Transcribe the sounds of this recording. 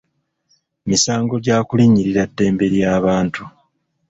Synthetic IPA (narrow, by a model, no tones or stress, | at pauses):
misaːŋɡo̞ɟaːkuliɲːiɾiɾadːe̞ːmbe̞ɾjaːβaːntʰu